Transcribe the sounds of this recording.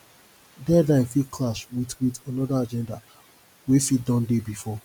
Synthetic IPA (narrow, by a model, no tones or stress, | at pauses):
dɛdãfikʰlaʃwitwitanɔdaad͡ʒɛ̃nda | wesidɔ̃ndebifɔ